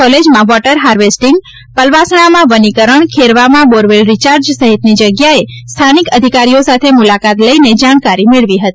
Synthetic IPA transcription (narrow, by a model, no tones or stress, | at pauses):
ɔled͡ʒmãʋɔʈəɾɦaɾʋesʈiŋɡ | pəlʋasɳ̃amãʋənikəɾəɳkʰeɾʋamãboɾʋelɾit͡ʃaɾd͡ʒsəɦit̪nid͡ʒəɡjaest̪ʰanikəd̪ʱikaɾijosat̪ʰemulakat̪ləined͡ʒaɽ̃kaɾimeɭʋiɦət̪i